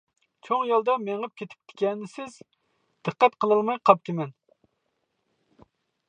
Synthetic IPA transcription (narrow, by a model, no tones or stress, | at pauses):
t͡ʃʰoŋjɑlˠd̪ɑmeŋɨp̚kʲʰet̪ʰɪ̥p̚t̪ʰɪ̥kʲɛnːɪsɪz | d̪̥ɨqːæt̪qʰəlˠɨlˠmɑjqʰɑp̚t̪ʰɪmɛn